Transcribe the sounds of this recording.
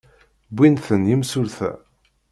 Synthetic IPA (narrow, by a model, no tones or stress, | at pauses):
bʷːinθənjəmsʊɾθæ̰